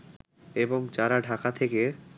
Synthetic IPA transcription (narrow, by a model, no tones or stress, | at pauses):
eboŋd͡ʑaɾaɖʱakat̪ʰeke